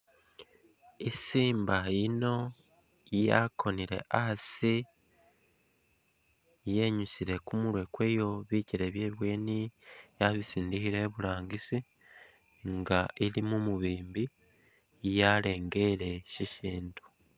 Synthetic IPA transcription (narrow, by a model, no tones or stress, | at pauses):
isiːmbaino̞ | jakʰo̞niɾe̞̰ʔasi | jeɲusiɾe̞kumuɾwe̞kwe̞ːjo̞βiːciɾe̞βje̞ːβweːnijaβisiːndihiɾe̞βuɾaːŋɡisi | ŋɡailimumuβiːmbi | jale̞ːŋɡe̞ɾe̞ʃiʃiːntu̥